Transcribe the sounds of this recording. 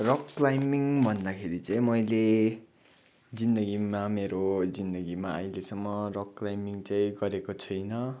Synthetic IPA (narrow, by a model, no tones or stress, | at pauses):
rʌkrajmiŋbʱʌnd̪akʰeɾit͡saj̃mʌjle | d͡zind̪ʌɡimameɾod͡zind̪ʌɡimaʌ̰jlesʌmːʌrʌkrajmiŋt͡saĩɡʌɾekot͡sʰʌjnʌ